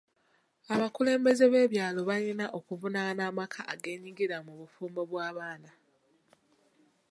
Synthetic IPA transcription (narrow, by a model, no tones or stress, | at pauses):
aβakule̞ːmbe̞ze̞βe̞ːβjaːlo̞βalinaʔo̞kuvunanaːmakʰaʔaɡe̞ːɲiɡiɾamuβufuːmbo̞βwaːβaːna